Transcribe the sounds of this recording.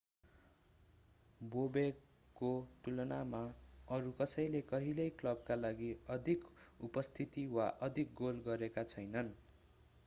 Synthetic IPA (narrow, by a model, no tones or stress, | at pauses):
bobe | koʈulʌnamaʌɾukʌsʌjlekʌɦilʌjklʌb̚kalaɡiʌd̪ʱikupʌst̪ʰit̪iwaʔʌd̪ʱik̚ɡolɡʌɾekat͡sʰʌjnʌn